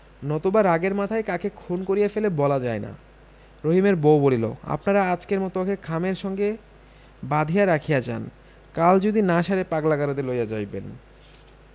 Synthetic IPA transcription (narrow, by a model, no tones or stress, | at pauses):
nɔt̪obaɾaɡeɾmat̪ʰajkakekʰonkoɾijefelebɔlad͡ʑaena̰ | ɾoɦimeɾbowbolilo̰a̰pnaɾaat͡ɕkeɾmɔt̪okʰekʰameɾʃɔŋɡe | bad̪ʱijaɾakʰijad͡ʑa̰n | kald͡ʑod̪inaʃaɾepaklaɡaɾod̪elojad͡ʑajbḛn